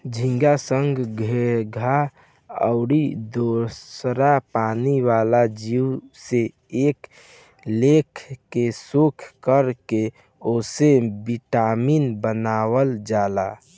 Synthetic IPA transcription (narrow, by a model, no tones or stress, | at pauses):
d͡ʒʱĩŋɡasəŋɡɡʱeɾɡʱa | ə̰ʊɽid̪osɾapaniʋalad͡ʒiwse | ek | lekʰkesukʰkəɾke | osebiʈamiːnbənawəld͡ʒala